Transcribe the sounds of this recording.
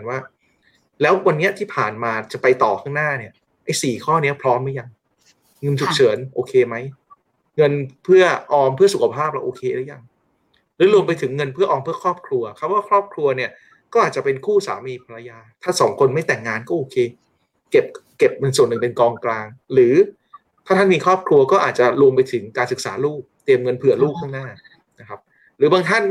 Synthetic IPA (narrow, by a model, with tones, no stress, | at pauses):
nwaː˥˩ | lɛː˦˥wwa˧nːi˦˥ɐt̪ʰiː˥˩pʰaː˨˩nmaː˧t͡ɕa˨˩pa˧jt̪ɔː˨˩kʰaː˥˩ŋnaː˥˩ni˥˩ɐ | ʔa˥˩jsiː˨˩kʰɔː˥˩ni˦˥ɐpʰɾɔː˦˥mːa˦ja˧ŋ | ŋɤ˧nt͡ɕʰu˨˩k̚t͡ɕʰɤː˩˦nʔoː˧kʰeː˧ma˦˥j | ŋɤ˧npʰɯ˥˩ɐʔɔː˧mpʰɯ˥˩ɐsu˨˩kʰa˧pʰaː˥˩p̚la̰˧˩ʔoː˧kʰeː˧la˦˥˦ja˧ŋ | lɯː˦˥ɾu˧əmp̬a˧jt̪ʰɯ˩˦ŋːɤ˧npʰɯ˥˩ɐʔɔː˧mpʰɯ˥˩ɐkʰɾɔː˥˩p̚kʰɾu˧ɐkʰa˧˥waː˥˩kʰɾɔː˥˩p̚kʰɾu˧ɐni˥˩ɐ | kɔː˥˩ʔaː˨˩t̪̚t͡ɕa˨˩pe˧nkʰuː˥˩sa̰ː˩˦miː˧pʰa˧ɾa˧jaː˧t̪ʰaː˥˩sɔː˩˦ŋkʰo˧nma˥˩jt̪ɛ˨˩ŋːaː˧nkɔː˥˩ʔoː˧kʰeː˧ | ke˨˩p̚ke˨˩p̚na˧ŋsu˨˩ənːɯ˨˩ŋpe˧nkɔː˧ŋklaː˧ŋɾɯː˩˦ | t̪ʰaː˥˩a˥˩nmiː˧kʰɾɔː˥˩p̚kʰɾu˧ɐkɔː˥˩ʔaː˨˩t̪̚t͡ɕa˨˩ɾu˧əmpa˧jt̪ʰɯ˩˦ŋkaː˧nsɯ˨˩k̚sa̰ː˩˦luː˥˩p̚t̪i˧əmŋɤ˧npʰɯ˨˩ɐluː˥˩p̚kʰaː˥˩ŋnaː˥˩ | na˦kʰa˦˥p̚ | ɾɯː˩˦baː˧ŋt̪ʰa˥˩n